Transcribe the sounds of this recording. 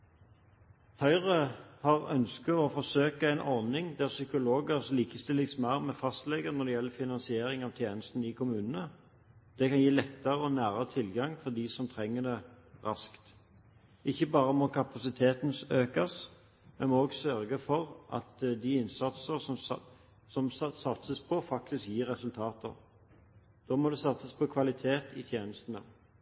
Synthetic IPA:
hœʏʁəhɑʁœ̰nskəɔfɔʁsøːkəæɛɪnʔɔʁnɪŋd̪æʁsʏkʊloːɡəʁsliːkəst̪ɪlːɪɡsmæʁmɛfɑst̪lɛɡəʁnɔd̪ɛjɛlːəfɪnɑnsɪeːɾɪŋɑːʋt̪ʰjeːnəst̪n̩ɪkʰʊmʉːnən̩ə | d̪̥ɛkɑnjiːlɛt̪ːəʁəɔnæːʁəət̪ʰɪlɡɑŋfɔʁd̪isɔmt̪ʰʁɛŋːəd̪ɛ | ʁɑskt̪ | ʔɪçːəbɑːʁəmɔkʰɑpɑsɪt̪ʰeːt̪n̩øːkɑs | mɛnmoːɡsœɾɡəfɔʁʔɑ̰t̪d̪iɪnsɑt̪səsɔm | sɔmsɑt̪səspʰɔfɑk̚t̪ɪskjiːɾːɛsʉlt̪ʰɑːt̪ə̰ʁ | d̪̥oːmɔd̪ɛsɑt̪səspʰɔkʰʋɑlɪt̪ʰeːt̪ɪt̪ʰjeːnəst̪ənə̰

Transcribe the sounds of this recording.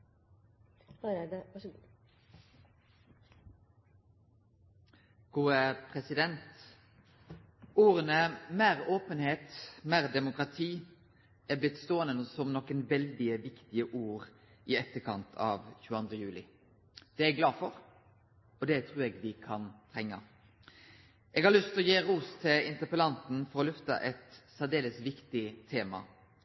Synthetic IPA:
d̪ʋɑʂ | ɡ̥uːəpʰʁɛsɪd̪ɛnt̪ | uːɾənəmeːʁoːpənheːt̪meːʁd̪ɛmʊkʁɑt̪ʰiː | ɛblɪt̪st̪oːənənəsɔmnɔkːənʋɛld̪ɪəʋɪkt̪ɪəʔuːʁ | ɪɛt̪ːəkʰɑnt̪ʰɑ̰ːʋçʉːəɑnd̪ɾəjʉːlɪ̰ | d̪̥ɛɛɡlɑːfɔɾ | ɔd̪ɛt̪ʰɾuːɾɛːɡʋɪkʰɑnt̪ʰɾɛŋːə̰ | ʔɛːɡhɑɾlʏst̪ɔjeːɾuːst̪ʰɪlɪnt̪əpəlɑnt̪n̩fɔɾɔlʉft̪ə̰ʔɛt̪sæd̪eːləsʋɪkt̪ɪt̪ʰeːmɑ̰

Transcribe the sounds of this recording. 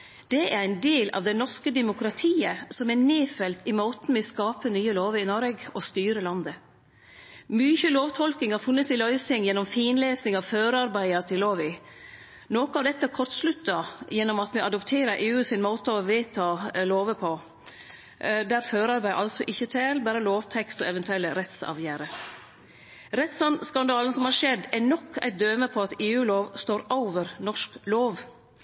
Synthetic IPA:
d̪̥ɛʔæɾæɪnd̪eːlʔɑ̰ʋd̪ɛnɔʂkəd̪ɛmʊkɾɑt̪ʰiːəsɔmæneːfɛlt̪ɪmoːt̪n̩mɪskɑːpənyːəloːʋəɪnoːɾʋeːɡʔɔst̪yːɾəlɑnd̪ə | myçəloːʋt̪ʰɔlkɪŋhɑɾfʉnːət̪sɪlœʏsɪŋjɛnːɔmfiːnleːsnɪŋɑʋføːɾɑɾbæɪɑt̪ʰɪlːoːʋɪ | noːkʊɑʋd̪ɛt̪ːəækʰɔɾt̪slʉt̪ːɑjɛnːɔmɑt̪mɛɑd̪ɔpt̪ʰeːɾəɾʔeːʉːsɪnmoːt̪əɔʋɪːt̪ʰɑːloːʋəpʰɔ | d̪æɾføːɾɑɾbæɪʔɑlsɔʔɪçːət̪ʰeːlbæːɾəloːʋt̪ʰɛkst̪ɔɛʋɛnt̪ʰʉɛlːəɾɛt̪sɑ̰ʋjæːɾə | ɾɛt̪sɑnskɑnd̪ɑːlən̩sɔmhɑɾʂɛd̪ːænɔkʰːæ̰ɪt̪̚d̪øːməpʰɔɑt̪eːʉːloːʋst̪oːɾʊʋəɾnɔʂkloːʋ

